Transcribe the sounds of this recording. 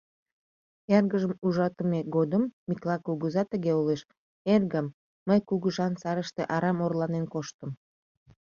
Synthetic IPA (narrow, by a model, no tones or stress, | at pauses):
jɑrɣəʒəmuʒɑt̪əmeɡod̪əmːiklɑkuɣəzɑt̪əɣeoleʃ | erɣəmː | əjkuɣəʒɑnsɑɾəʃt̪eʔɑɾɑmorlɑnenkoʃt̪əm